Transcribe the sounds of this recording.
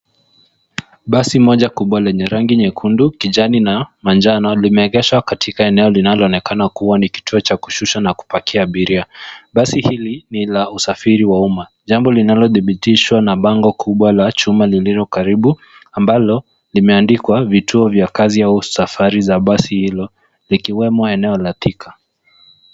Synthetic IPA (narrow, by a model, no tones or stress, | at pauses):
ɓasimɔʄakuɓwalɛɲɛɾaŋɡiɲɛkʰundukiʄaninamand͡ʒanɔlimɛːɡɛʃwakatʰikaɛnɛɔlinalɔɔnɛkanakuwaniki̥tuɔt͡ʃaku̥ʃuʃanaku̥pakiaːɓiɾiaɓasihilinilausafiɾiwauma | ʄambɔlinalɔθiɓitiʃwanaɓaŋɡɔkʰuɓwalat͡ʃumalililɔkaɾiɓu | ambalɔ | limɛandikwavituɔvjakaziausafaɾizaɓasihilɔ | likiwɛmɔɛnɛɔlatikʰa